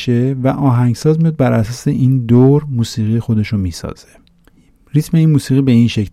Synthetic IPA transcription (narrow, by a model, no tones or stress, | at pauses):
ʃevæʔɒːɦæŋɡsɒːzmijɒːd̪̚bæɾʔæsɒːse̞ʔiːnd̪oɾmuːsiːɣijexod̪e̞ʃomiːsɒ̰ːz̥e̥ | ɾit̪ʰme̞iːnmuːsiːɣibe̞inʃecʰ